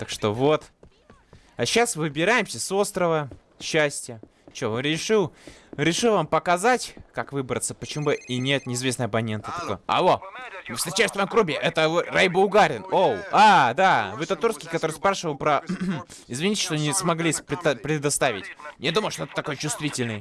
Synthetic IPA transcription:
t̪akʂt̪o̞vo̞t̪ | aɕːasvɨbʲɪɾajɪmsʲəso̞st̪ɾəvə | ɕːæsʲtʲjə | t͡ɕovaɾʲɪʂɨlˠɾʲɪʂɨlˠvampəkɐzatʲkakvɨbɾət̪səpət͡ɕɪmubɨinʲe̞t̪nʲɪɪzvʲe̞snəjɐpɐnʲe̞nt̪ɨ̥t̪ɐko̞jəɐ̰omɨfst̪ɾʲɪt͡ɕæjst̪vajmkɾʊbʲɪʔɛt̪əvɨrajbɨʊɡaɾʲɪnowad̪avʲɨt̪ɐt̪urskʲɪjkɐt̪oɾɨjspɾaʂɨvəlˠpɾɐ | ɪzvʲɪnʲitʲɪ̥ʂt̪oɐnʲismɐɡlʲisʲpɾʲɪpɾʲɪd̪ɐst̪avʲɪtʲjad̪uməjʊʂt̪oɛt̪ə̥t̪ːɐko̞jət͡ɕʊst̪vʲitʲɪlʲnɨj

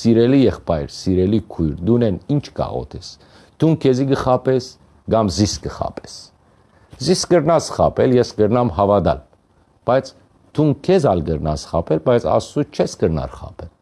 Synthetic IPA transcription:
siɾɛlijɛχpɑjɾsiɾɛlikʰujɾd̪unɛnint͡ʃʰkɑ̰ʁɔ̰t̪ʰɛs | t̪ʰunkʰɛziɡəχɑpɛs | ɡɑmziskəχɑ̰pʰɛ̥s | ziskəɾnɑsχɑ̰pʰɛljɛsɡəɾnɑmhɑvɑd̪ɑ̰l | b̥ɑjt͡sʰ | t̪ʰunkʰɛzɑlɡəɾnɑ̰sχɑ̰pʰɛlbɑjt͡sʰɑ̰sut͡ʃʰɛsɡəɾnɑ̰ɾχɑ̰pʰɛl

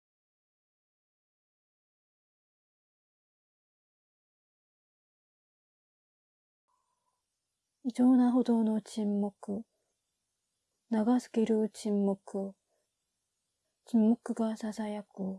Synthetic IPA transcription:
id͡ʑoːnaɦo̞d̪o̞ːno̞t͡ɕĩmːokɯ̟ | naɡasɨ̥keɾɯ̟t͡ɕĩmːokɯ̟ | t͡ɕimːo̞kɯ̟ɡasasajakɯ̟

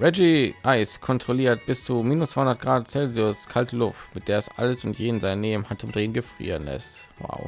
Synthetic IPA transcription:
ʁɛd͡ʒiʔaɪskʰɔntʁ̥oliːɐt̚b̥ɪst͡sumiːnʊstfv̥aɪhʊndɐt̚ɡ̥ʁaːtt͡sɛlziʊskʰaltəlʊftmɪt̚d̥eːɐɛsʔa̰ləsʊntjeːdn̩zaɪnːeːm̩hantʊmd̥ʁeːnɡəfʁ̥ḭːʁənlɛ̰st | wa̰ʊ

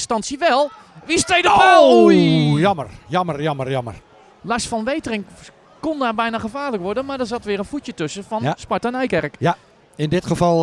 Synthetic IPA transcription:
stɑnsiəʋɛlˠ | ʋistejdəpɛ | jɔmərjɔmərjɔmərjɔmər | lasfɔnʋejtərɪŋ | kondarbɛjnaχəfaːrləkʋɔrdənmadɔsatʋɪːrənfutjətøsəfɔnspartɛnɛjkɛrək | ɪndɪtxəfɔlˠ

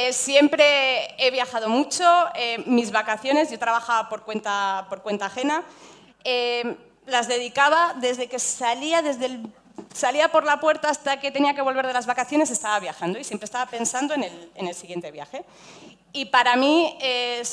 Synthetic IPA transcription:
esje̞mpɾe̞e̞βjaxað̞o̞mut͡ʃo̞emizβakaθjo̞ne̞zʝo̞t̪ɾaβaxaβapo̞ɾkwe̞nt̪apo̞ɾkwe̞nt̪aːxe̞na | e | lazðe̞ðikaβ̞aðe̞zðe̞ke̞saliaðe̞zðe̞l | saliapo̞ɾlapwe̞ɾt̪aːst̪ake̞t̪e̞niake̞βo̞lβe̞ɾðe̞lazβakaθjo̞ne̞s̬e̞st̪aβaβ̞jaxand̪o̞isje̞mpɾest̪aβape̞nsand̪o̞ene̞lene̞lsiɣje̞nt̪e̞βja̰xe̞ | ipaɾamie

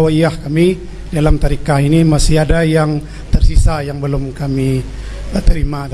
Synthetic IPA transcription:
waiahkami | dalamt̪aɾikainimasiadajaŋ | t̪ərsisajaŋbəlʊmkami | bət̪əɾima

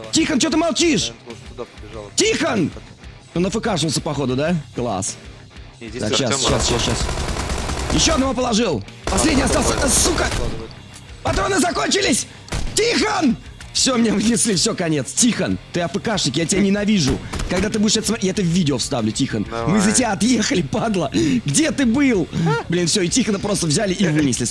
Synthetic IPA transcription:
tʲixənt͡ɕot̪ɨmɐlˠt͡ɕiʂ | tʲixən | onɐfɨkaʂ̬vəlˠsʲəpɐxo̞d̪ʊd̪aklˠa̰s | t̪a̰kɕasɕasɕasɕas | jɪɕːo̞ɐd̪nɐvo̞p̬əlˠɐʐɨlˠpɐsʲlʲedʲnʲɪjɐst̪alˠsʲəsukə | pɐt̪oɐnɨzɐko̞nʲt͡ɕɪlʲɪsʲ | tʲixən | fsʲo̞mnʲevɨnʲɪslʲifsʲokɐnʲe̞t̪stʲixənt̪ɨɐfɨkaʂnʲɪkʲjatʲɪbʲanʲɪnɐvʲiʐʊ̰kɐɡd̪at̪̬ɨbudʲɪʂɛt̪əsmɐjaɛt̪əvvʲidʲɪofst̪avlʲʊtʲixənmɨzətʲɪaɐt̪jexəlʲɪpad̪lˠəɡdʲet̪ɨbɨlˠblʲinfsʲo̞ɪtʲixənəpɾo̞st̪əvzʲalʲɪʔivɨnʲɪsʲlʲɪs

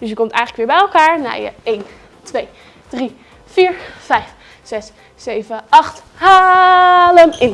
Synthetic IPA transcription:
d̥øsjəkɔmtɛ̰jŋələkʋɪːɹbɛjɛlˠkaːɹna̰jə̰ejn | tʰʋej | d̥ri | fiːɹfɛjf | sɛs | sejvəɑxtha | ləmɪn

